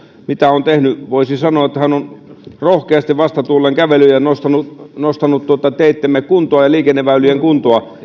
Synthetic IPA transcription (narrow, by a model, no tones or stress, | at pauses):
mit̪æont̪ehnyʋoisisɑnoɑet̪ːhænonrohkeɑst̪iʋʋɑst̪ɑt̪ulːeŋkæʋelyjjænost̪ɑnunost̪ɑnut̪t̪uot̪ɑt̪eit̪ːemːekkunt̪oɑjɑliːkenːeʋæylyjeŋkunt̪oɑ